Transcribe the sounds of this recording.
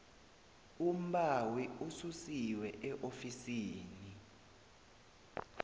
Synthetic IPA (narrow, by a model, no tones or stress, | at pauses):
um̩ɓawiususiwɛʔɛʔofisiːni